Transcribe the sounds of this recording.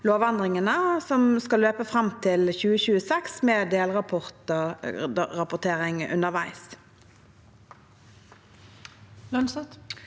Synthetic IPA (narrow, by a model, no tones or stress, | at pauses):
loːʋɑnd̪ʁɪŋənəsɔmskɑlːøːpəfʁɑmt̪ʰɪlçʉːəçʉːəsɛksmeːd̪eːlʁɑpʰɔʁt̪ə | ʁɑpʊʁt̪ʰeːʁɪŋʉ̰nəʁʋæɪs | lœnsɑt̪